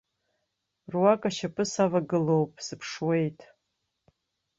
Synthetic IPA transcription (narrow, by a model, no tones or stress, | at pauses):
rwakʼaʃapʼɨsavaɡɨlowpʼsɨpʰʂwe̞jtʼ